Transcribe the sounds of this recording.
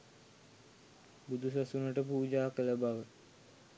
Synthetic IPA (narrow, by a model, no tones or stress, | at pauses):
bud̪usasunəʈəp̬uːd͡ʒaːkələbaʋə